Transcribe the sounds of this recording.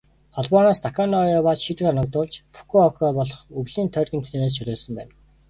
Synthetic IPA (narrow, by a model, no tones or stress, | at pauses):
χɔɮpɔːnaːst̪ʰakʰanɔjɔːpaːsʃit̪ɘ̆kanə̆k̚t̪ʊːɮt͡ɕfu̥kʰuɔkʰɔpɔɮɞ̆χɵwɮiːnt̪ʰœrɣʲɘ̆nt̪ʰu̥ɮeːneːs̬t͡ɕʰɵɾʲeːɮsə̆mpæ̰ːn